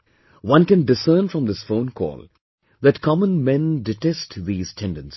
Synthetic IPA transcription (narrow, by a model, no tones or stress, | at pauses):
wʌ̃nkɛ̃nɖɪsəːnfɾʌ̃md̪ɪsfõʊ̃nkʰɔ̰ːl | ðætkʰɑmə̃nmɛ̃ndɪʈɛsʈðiːz̥tʰɛ̃nɖə̃ns